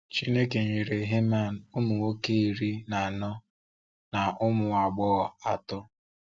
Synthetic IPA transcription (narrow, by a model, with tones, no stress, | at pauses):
t͡ʃi˦ne˦ke˨ɲe˨ɾe˨ɦe˦ma˦˨n̩˨ʊ˦mʊ˨wo˦ke˦i˨ɾi˦na˨a˨nɔ˦ | na˨ʔʊ˦mʊ˨a˨ɡ͡bɔ˦ɣɔ˨a˨tʊ˦